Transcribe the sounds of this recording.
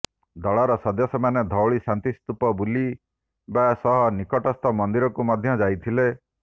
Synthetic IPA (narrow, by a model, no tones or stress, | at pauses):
d̪ɔɭɔɾɔsɔd̪jɔsɔmaned̪ʱɔwɭisant̪ist̪upɔbuli | basɔɦɔnikɔʈɔst̪ʰɔmɔnd̪iɾɔkumɔd̪ʱjɔd͡ʒajt̪ʰile